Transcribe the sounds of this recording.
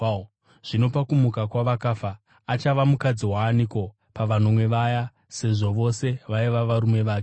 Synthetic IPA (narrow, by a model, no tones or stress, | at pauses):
ʐ̥ino̞pakumukakwaʋakafaː | t͡ʃaʋamukad͡ziwaːniko̞ | paʋano̞mwe̞ʋaja | se̞ʐo̞ʋo̞se̞ʋaiʋaʋaɾume̞ʋaːke